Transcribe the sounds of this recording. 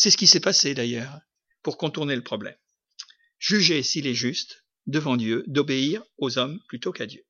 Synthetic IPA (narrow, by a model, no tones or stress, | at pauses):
sɛsə̥kʲisɛpased̪ajœːʁ | puʁkɔ̃t̪uʁneləpχɔblɛ̰m | ʒ̥yʒesilɛʒyst̪ | d̪əvɑ̃d̪jød̪ɔbeiʁozɔmplyt̪okad̪jø